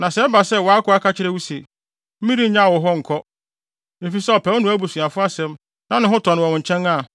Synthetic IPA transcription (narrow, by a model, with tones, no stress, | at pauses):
nã˨sɛ˨˦ba˨sɛ˦wɔ˨a˦kʰʊ˦a˦kʰa˦t͡ɕʰɪ˦ɾɛ˦wu˦se˨ | m̩˦mĩ˦ɾi˦ɲã˦˨wɔ˨ɦɔ˦ŋ̩˨kʰɔ˦ | e˨fi˨sɛ˦ɔ˨pʰɛ˨˦wnʊ̃˦æ˦bu˨sũ˨a˨fʊ˦a˦sɛ̃˦m | nã˦nɪ̃˦ɦʊ̃˦tʰɔ̃˨ñ˨wɔ̃˨w̃ɲ̩˨t͡ɕʰɛ̃˦na˦˨